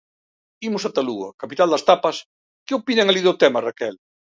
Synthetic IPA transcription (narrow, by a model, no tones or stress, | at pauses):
imʊsat̪aluɐ̰kapit̪ald̪ɐst̪apɐs | keopinɐŋaliðʊt̪ɛmɐrakɛl